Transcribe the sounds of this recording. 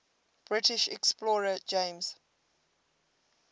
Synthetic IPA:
b̥ɹɪtɪʃɛksplɔːɹəd͡ʒẽmz̥

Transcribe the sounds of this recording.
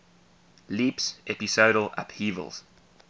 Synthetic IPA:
liˑpsʔɛpisoːɾəla̰phiːvə̰lˠz̥

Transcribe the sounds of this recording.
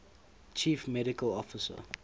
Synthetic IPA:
t͡ʃʰiːfmɛɾɪkəlɔfɪsə̰

